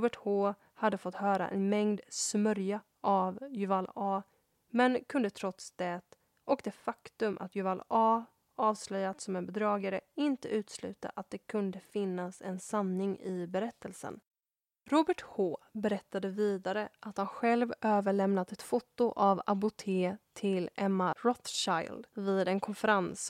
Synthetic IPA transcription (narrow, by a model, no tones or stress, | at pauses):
bɛʈhoː | had̪ːəfɔt̪ːhœːɾa̰ʔɛ̰nmɛŋd̪smœɾja | ʔavjɵvalɑː | mɛnkʰɵnd̪ət̪ʰɾɔt̪sd̪̥ɛt̪ | ɔkd̪ɛfakt̪ɵmʔa̰t̪jʏvalɑː | ɑːvslœjːat̪sɔmɛnbɛd̪ɾɑːɡaɾəɪnt̪əʉ̟ːt̪slʉ̟ːt̪a̰ʔat̪̚d̪ɛkʰɵnd̪əfɪnːasɛ̰nsanːɪŋɪbɛɾɛt̪ʰːəlsə̰n | ɾuːbəʈhoːbɛɾɛt̪ːad̪əviːd̪aɾəʔat̪hanɧɛlvøːvəɭɛmnat̪ɛt̪fʊt̪ːʊʔavabʊt̪ʰeːt̪ʰɪlɛmːaɾɔt̪ʃaj̰ld̪viːd̪ɛnkʰɔnfəɾans